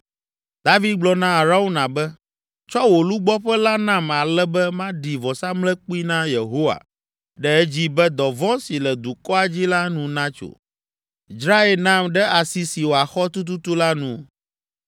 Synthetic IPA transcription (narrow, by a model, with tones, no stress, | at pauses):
d̪a˦vi˦d̪̚ɡ͡blɔ˨nã˦a˨ɾa˦wu˦nã˨bɛ˦ | t͡ʃɔ˦wo˨lu˦ɡ͡bɔ˦ɸɛ˦la˦nã˦ma˨lɛ˦bɛ˦mã˦ɖi˨vɔ˨sa˦mlɛ̃˦k͡pu˦i˦nã˦je˨ɦo˦wa̰˨ | ɖɛ˦ɛ˦d͡ʑi˦bɛ˦d̪ɔ˨vɔ̃˦si˨lɛ˨d̪u˨kɔ˦a˨d͡ʑi˦la˦nũ˨nã˦t͡ʃo̰˨ | i˨sɾa˦e˨lnã˦˨mɖɛ˦a˨si˨si˨wo˨a˨xɔ˦t̪u˦t̪̬u˦t̪u˦la˦nũ˨